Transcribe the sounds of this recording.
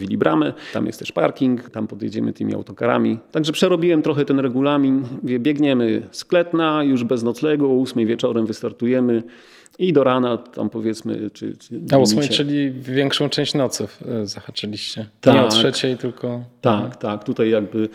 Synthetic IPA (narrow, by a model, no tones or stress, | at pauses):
vʲilʲibɾʔamɛt̪a̰mjɛst̪ɛʂpa̰ɾkʲiŋkt̪ampɔd̪jɛ̰d͡ʑɛmɘ̰t̪ɘmʲḭa̰wt̪ɔkaɾa̰mʲit̪aɡʐɛpʂɛɾɔbʲiwɛmt̪ɾɔxɛt̪ɛnɾɛɡulamʲinvʲɛbʲjɛɡɲɛmɘsklɛt̪najuʐbɛznɔt̪slɛɡɔːusmɛjvʲjɛt͡ʂɔɾɛmvɘst̪aɾt̪ujɛmɘ | id̪ɔɾanat̪a̰mpɔvʲjɛt̪smɘ̰t͡ʂɘ̰ausimɛjt͡ʂɘlʲivvʲjɛŋkʂɔ̃w̃ʈ͡ʂt͡ʂɛ̃w̃ɕt͡ɕnɔt̪sufzaxat͡ʂalʲiɕt͡ɕɛt̪aɲɛɔtʂɛt͡ɕɛjt̪ɘlkʰɔt̪akt̪akt̪ut̪ajjaɡ̚bɘ